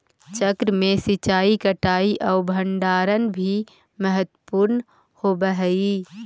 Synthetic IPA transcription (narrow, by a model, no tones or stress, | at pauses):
t͡ʃəkɾmẽsit͡ʃaːikəʈaːiʔɔːɾbʱəɳɖaːɾənbʱi | məɦət̪wəpuːɾn | hoːbəɦɛi